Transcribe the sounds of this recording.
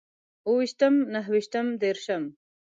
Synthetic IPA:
uwiʃt̪ɐmnɐɦwiʃt̪ɐmd̪eːɾʃɐm

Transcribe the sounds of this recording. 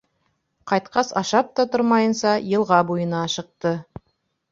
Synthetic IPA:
qʰɑjt̪̚qɑsɑʃɑp̚t̪ɑt̪ʰʊɾmɑjənsɑjəlˠʁɑbujənɑʃəq̚t̪ə

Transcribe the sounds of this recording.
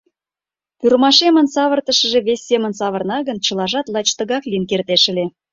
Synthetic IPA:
pyɾmɑʃemə̆nsɑβərt̪ə̆ʃə̆ʒĕβesʲːemənsɑβərnɑɣənt͡ɕə̆lɑʒɑt̪lˠɑt͡ɕt̪ə̆ɣɑkliənkert̪eʃə̆lʲe

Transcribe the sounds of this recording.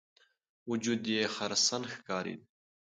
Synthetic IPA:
wud͡ʒud̪jexɐɾsɐnxkɑːɾḭd̪̚

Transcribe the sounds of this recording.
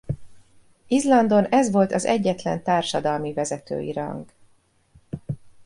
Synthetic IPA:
izlɒnd̪o̞nɛzʋo̞lt̪ɒzɛɟːɛt̪lɛnt̪aːrʃɒd̪ɒlmivɛzɛt̪ø̰ːjḭɾɒ̰ŋɡ

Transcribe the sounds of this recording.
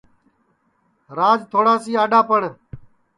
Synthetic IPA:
ɾaːd͡ʒt̪ʰoːɽaːsiːaːɖaːpəɳ

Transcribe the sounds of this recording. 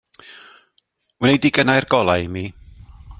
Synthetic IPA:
wənejdiɡənajrɡɔlˠajmiː

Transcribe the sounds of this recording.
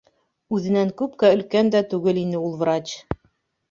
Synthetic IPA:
ʉðɘ̆næŋkʉpkæɵ̆lkænd̪æt̪ʉɡɘlinɘulˠvɾat͡ɕ

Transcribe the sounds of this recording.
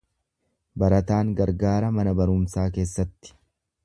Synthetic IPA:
bɐɾɐt̪aːŋɡɐɾɡaːɾɐmɐnɐbɐɾʊmsaːke̞ːsːɐt̪ːɪ̥

